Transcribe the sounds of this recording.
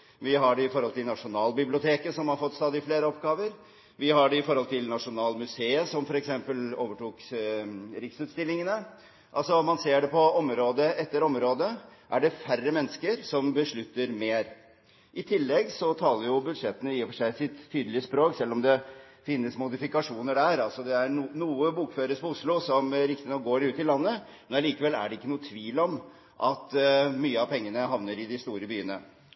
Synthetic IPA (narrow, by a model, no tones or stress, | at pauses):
ʋɪɦɑɖɛɪfɔɾɔlt̪ʰɪlnɑʂʊnɑːlbɪblɪʊt̪ʰeːkəsɔmhɑɾfɔt̪ːst̪ɑːd̪ɪfleːɾəɔpɡɑːʋəɾ | ʋɪhɑɖɛɪfɔɾhɔlt̪ʰɪlnɑʂʊnɑːlmʉseːəsɔmfɔɾɛksɛmpəloːʋəʈuːk | ɾɪksʉːt̪st̪ɪlːɪŋənə | ʔɑ̰lsɔmɑnseːɖɛpʰɔɔmɾoːd̪əʔɛt̪ːəɾɔmɾoːd̪əʔæɖɛfærːəmɛnːəskəɾsɔmbəʂɭʉt̪ːəɾmeːɾ | ʔɪt̪ʰɪlːɛɡsɔt̪ʰɑːləɾjʊbʉd̪ʂɛt̪ːənəiːfɔʂæɪsɪt̪t̪ʰyːd̪əlɪəspɾoːksɛlːɔmd̪ɛ | fɪnːəsmʊd̪ɪfɪkɑʂuːnəɖæɾɑlsɔd̪ɛæɾnuːəbuːkføːɾəspɔʊslʊsɔmæɾɪkt̪ɪnɔk̚ɡoːɾʉːt̪ːɪlɑnːə | mɛnɑliːkəʋɛlːæ̰ɖɛɪkːənuːət̪ʰʋiːlɔm | ʔɑt̪myːəɑpʰɛŋːənəɦɑʋnəɾɪd̪ɪst̪uːɾəbyːənə̰